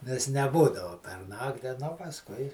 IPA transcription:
nʲɛs nʲɛˈbuːdɐʋʊ pʲɛr ˈnɑːktʲɪ nʊ pɐsˈkʊɪ

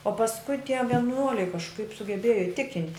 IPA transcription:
oː pɐsˈkʊɪ tʲiɛ ʋʲiɛˈnuɔlʲɛɪ kɐʃˈkɐɪp sʊɡʲɛˈbʲeːjoː ɪˈtʲɪkʲɪnʲtʲ

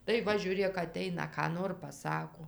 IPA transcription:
tɐɪ ˈʋɐ ʒʲuːˈrʲeːk ɐˈtʲɛɪnɐ kɑː ˈnoːr pɐˈsɑːkoː

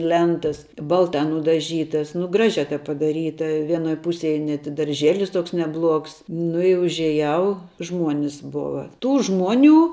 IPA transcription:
ˈlʲɛntɐs ˈbɐlˠtɐ nʊdɐˈʒʲiːtɐs nʊ ˈɡrɑːʒʲɛ tɐɪp pɐdɐˈrʲiːtɐ ˈʋʲiɛnoːj ˈpʊsʲeːj nʲɛt ɪ dɐrʲˈʒʲeːlʲɪs ˈtoːks nʲɛˈblˠuɔks ˈnʊ ɪ ʊʒʲiɛˈjɛʊ ˈʒmuɔnʲɪs ˈboːʋɐ ˈtuː ˈʒmuɔˌnʲuː

